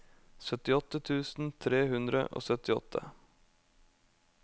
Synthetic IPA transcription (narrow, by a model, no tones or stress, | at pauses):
sœt̪ɪɔt̪ət̪ʰʉːsn̩t̪ʰɾeːhʉnd̪ɾə̰ʔo̰ːsœt̪ɪɔ̰t̪ʰə̰